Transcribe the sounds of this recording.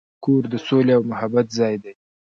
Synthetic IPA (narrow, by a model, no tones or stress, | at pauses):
koɾd̪əsoleawmʊhabat̪zɑjd̪aj